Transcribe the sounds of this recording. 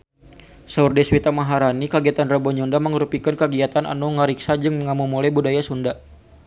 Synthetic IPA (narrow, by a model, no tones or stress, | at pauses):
saurdɛswit̪amaɦaɾanikaɡiat̪anrabɔɲɔndaməŋəɾupikankəɡiat̪ana̰nuŋəɾiksad͡ʒɨŋməŋamumulajbudajasunda